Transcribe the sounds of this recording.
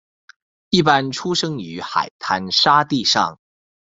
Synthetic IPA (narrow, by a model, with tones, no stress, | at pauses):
i˥˩pa˥nʈ͡ʂʰu˥ʂɤ˥ŋy˧˥xa̰˨˩ɪt̪ʰa˧˥nʂa˥t̪i˥˧ʂɑ̰˥˩ŋ